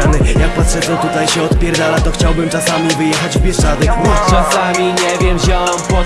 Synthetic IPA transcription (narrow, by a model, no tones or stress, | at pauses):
anɪjak̚pat̪ʂɛɔt̪ut̪ajɕɛɔt̪pʲjɛɾd̪alat̪ɔxt͡ɕawbɘmtasamʲivɘjɛxad͡ʑvbʲjɛʂt͡ʂat̪ɛkt͡ʂasamʲiɲɛvʲjɛmʑawampɔ